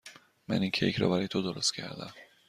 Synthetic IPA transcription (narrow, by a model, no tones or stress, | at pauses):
mæ̰niŋcʰejecʰɾɒ̰bæɾɒːjet̪ʰod̪oɾost̪cʰæ̰ɾd̪æ̰m